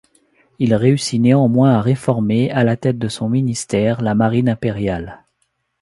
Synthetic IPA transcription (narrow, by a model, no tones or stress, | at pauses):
ilʁeysineɑ̃mwɛ̃aʁefɔʁmealat̪ɛt̪̚d̪əsɔ̃minist̪ɛʁlamaʁinɛ̃peʁjal